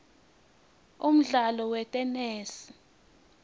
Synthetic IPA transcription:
um̩ɮalɔwɛtʼɛnɛːsi̥

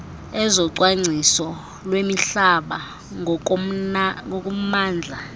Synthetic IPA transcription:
ɛzɔǀwaŋ͡ǀʱisɔ | lwemiɬaɓa | ŋokʼum̩maːnd͡ɮʱa

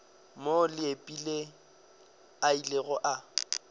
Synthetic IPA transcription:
molɪepʼile | ailɪɣɔʔa

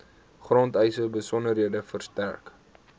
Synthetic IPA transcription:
χrɔntɛjsəbəsɔnəɾɦiədəfərstærk

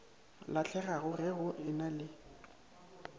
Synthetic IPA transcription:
lat͡ɬʰɛɣaɣʊrɪɣʊʔɪnalɪ

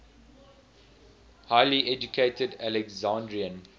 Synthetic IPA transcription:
haɪliʔɛd͡ʒukʰeɪtədælɛkzãndɹiə̃n

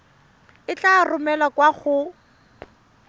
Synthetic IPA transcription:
ɪt͡ɬarʊmɛlakwaχʊ

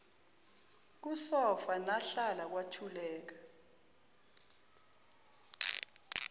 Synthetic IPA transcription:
k̬usɔfanaɬalak̬watʰulɛːk̬ḁ

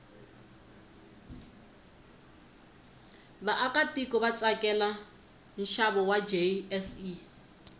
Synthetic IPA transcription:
βaʔakatikɔβat͡sʼakɛla | n̩ʃaβɔwad͡ʒeɛsi

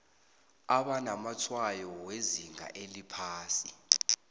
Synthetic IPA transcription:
aɓanamat͡sʰwajɔweziŋa̰ʔelipʰaːsi

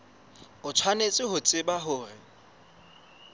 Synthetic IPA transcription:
ʊt͡sʰwanet͡sʼɪɦʊt͡sʼɪbaɦʊːrɪ

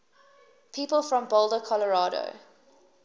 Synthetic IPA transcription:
pʰiːpəlˠfɹɔ̃mbɔlˠdəkʰɔləɹɑːɾo̰ʊ

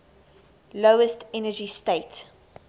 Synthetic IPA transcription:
loʊəstɛnəd͡ʒisteɪt

